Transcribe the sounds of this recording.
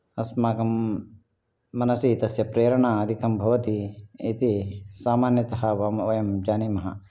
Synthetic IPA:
ɐsmaːkɐm | ɐnɐsit̪ɐsjɐpɾeːɾɐɳ̃aɐd̪ʱikɐmbʱɐʋɐt̪iit̪isaːmaːnjɐt̪ɐɦɐʋɐmoːjɐmd͡ʒaːnimɐɦɐ̰

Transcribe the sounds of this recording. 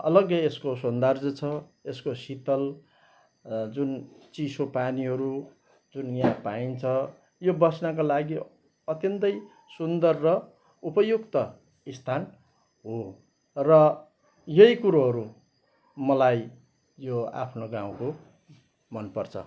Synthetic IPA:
ʌlʌɡʌeskosond̪ard͡zʌt͡sʰʌ | eskosit̪ʌl | d͡zunt͡sisopaniɦʌɾu | d͡zunjãpaint͡sʰʌ | jobʌsnak̬olaɡi | ʌt̪jʌnt̪ʌj | sund̪ʌrːʌ | upʌjukt̪ʌ | ist̪ʰan | ɦo | rʌ | jʌjikuɾoɦʌɾu | mʌlaj | joa̰pʰnoɡãw̃ko | mʌnpʌrt͡sʰʌ̰

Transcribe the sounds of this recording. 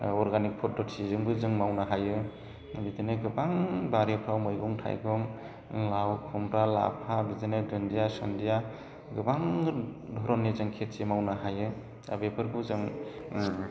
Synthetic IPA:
ɔɾɡanik̚pʰɔt̚dɔtsizɯŋbɯzɯŋmawnaɦajɯ | bitineɡɯbaŋbaɾepʰɾawmɯjɡɔŋtʰa̰jɡɔŋ | lawkʰɔmɾala̰pʰabizenɯdɾɯndijasandija | ɡɯbaŋdʱɔɾɔnːezɯŋkʰet̚semawnaɦajɯ | a̰bepʰɯɾbɯzɯŋ

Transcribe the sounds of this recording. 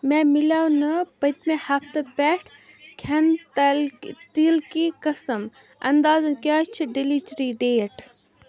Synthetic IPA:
mɛ̃milaːwnɐpɐt̪mẽhɐfʰt̪ɐpɛːʈʰ | kʰɐnlt̪ilkikɐsəm | ɐ̰nd̪aːzɐnkat͡ʃʰiɖilit͡ʃɾiɖeːʈ

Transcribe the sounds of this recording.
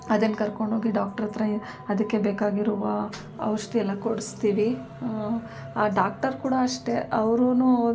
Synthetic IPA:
ɐd̪enkɐɾko̞ɳɖʱɦo̞ːɡiɖaːk̚ʈɐɾɐt̪ɾɐ | ɐd̪ɐkːe̞beːkaːɡiɾuʋɐ | ɐʋɾɐʂʈɛɛlːɐkoɽust̪iːʋi | aːɖaːk̚ʈɐɾkuːɽɐɐʂʈe̞ʔɐʋɾunu

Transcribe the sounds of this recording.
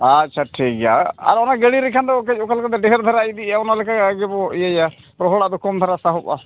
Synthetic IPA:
atːʃʰaʈʰik̚aa̰ɾɔnaɡeɽiɾɛkʰand̪ɔkɛt͡ʃɔkalkad̪ɛɖɛɦɛɾd̪ʱaɾaid̪iaɔnalɛkakaɡɛpɔijaja | pɾɔɦɔɽad̪ɔkʰɔmt̪ʰaɾasaɦɔpa̰

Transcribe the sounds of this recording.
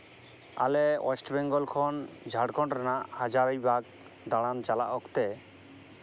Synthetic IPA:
a̰leɔ̰sʈbɛŋɡɔlkʰɔnd͡ʒʱaɽkʰɔɳʈɾanaʔhad͡ʒaɾajbaɡ̚ | d̪aɽant͡ʃalaʔɔkt̪e

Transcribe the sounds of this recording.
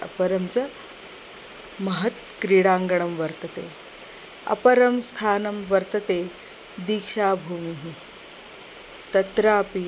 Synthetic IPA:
ɐ̰pɐɾɐmt͡ɕa | mɐɦɐt̪̚ | kɾiɽaːŋɡəɳ̃ɐmʋɐɾt̪ɐt̪ḛː | ɐ̰pɐɾɐmst̪ʰaːnɐmʋɐɾt̪ɐt̪eː | d̪ikʂaːbʱuːmiɦi | t̪ɐt̪ɾaːpi

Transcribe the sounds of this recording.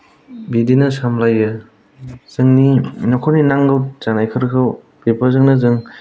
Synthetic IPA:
bidinɯsamlajɯ | z̥ɯŋninɔkʰɔninaŋɡɯwzanajkʰɯɾkʰɯw | pipʰazɯŋnɯzɯŋ

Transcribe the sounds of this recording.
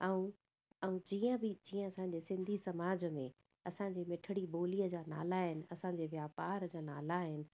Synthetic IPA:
ɛũ | ɛũd͡ʑiːə̃bɪd͡ʑiːə̃ɐsãɲ̆d͡ʑesɪ̃nd̪ʱisɐmaːd͡ʑmẽ | ɐsãɲ̆d͡ʑeːmɪʈʰəɽiboːliəd͡ʑaːna̰ːlaɦɪnɪ̆ɐsãɲ̆d͡ʑeːʋjaːpaːɾd͡ʑaːna̰ːlaɦɪnɪ̆

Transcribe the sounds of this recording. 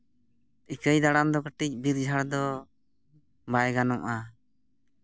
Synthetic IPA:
ikəjd̪aɽamd̪ɔkəʈic̚biɾd͡ʒʱaɽd̪ɔ | bajɡanɔŋa

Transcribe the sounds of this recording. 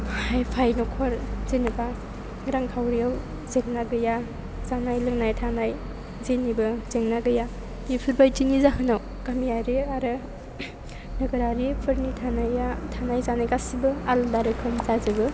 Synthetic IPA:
hajpʰajnɔkʰɔɾzenɯpas | ɡɾaŋkʰawɾijaw | zeŋnaɡɯja | zanajlɯŋnajtʰanaj | zenibɯz̥eŋnaɡɯja | ɡipʰɯɾbajtinizaɦɯnaw | kamijaɾeaɾɯ | nɯɡɯɾaɾipʰɯɾnitʰanajatʰanajzanajkasibɯaldaɾɯkʰɯmzazɯɡɯ

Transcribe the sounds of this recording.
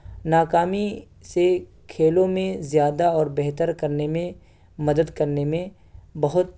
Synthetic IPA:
naːkaːmi | se | kʰeːlõmẽzjaːd̪aɔːɾbɛɦt̪əɾkɐɾnemẽ | mɐd̪əd̪kɐɾnemẽ | bɐɦʊt̪̚

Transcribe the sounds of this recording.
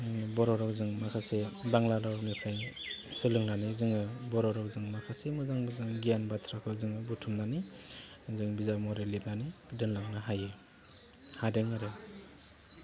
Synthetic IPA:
bɔɾɔɾɔkzɯŋmakʰasebaŋlalawmipʰaj | sɯlɯŋnanizɯŋɯbɔɾɔɾɔkzɯŋmakʰasemɯzaŋbɯzaŋɡijanbatʰɾakʰɯzɯŋɯbutʰumnani | zɯŋbizamɔɾelep̚nanidɯnlaŋnɯɦajɯ | hadeŋaɾɯ

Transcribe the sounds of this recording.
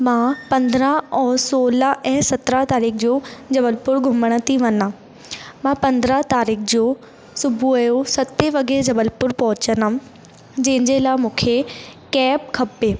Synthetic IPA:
mãːpɐ̃nd̪əɾəɦɔːsoːləʔɛ̃ːsɐt̪ɾat̪aːɾiːkʰd͡ʑoːd͡ʑɐbəlpʊɾɡʱʊməɽ̃ə̆t̪ʰiʋɐnã | mãːpɐ̃nd̪ɾət̪aːɾiːkd͡ʑoː | sʊbʱuɐjosɐt̪eʋɐɡeɾd͡ʑɐbəlpʊɾpɐɦʊt͡ɕəna | d͡ʑɐ̃ɦɪ̃ɲd͡ʑelaːɪmũːkʰekɛːpkʰɐpeː

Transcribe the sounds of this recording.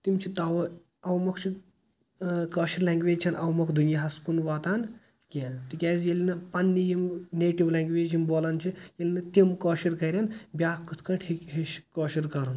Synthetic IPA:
t̪imt͡ʃʰit̪ɐʋɐ | ɐwmɐkʰt͡ʃʰi | kɐːʃiɾlãŋɡʋeːd͡ʒt͡ʃʰɐnɐwmɐkʰd̪unjaɦɐskunʋaːt̪aːn | kʲelt̪ikʲaːzjelʲinɐpɐnːijimneːʈiʋlaːŋɡʋeːd͡ʒɦimboːlɐnt͡ʃʰijelinɐt̪imkɐːʃiɾkɐɾʲanbʲaːkɨt̪ʰkɐɳʈʰhikɦiʃkɔːʃiɾkɐɾun

